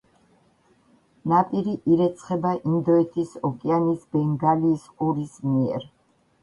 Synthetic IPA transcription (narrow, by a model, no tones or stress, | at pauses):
napʼiɾiʔiɾɛt̪sʰχɛbaʔind̪ɔɛt̪ʰisɔkʼɛanisbɛŋɡaliːsqʼuɾismiɛ̰ɾ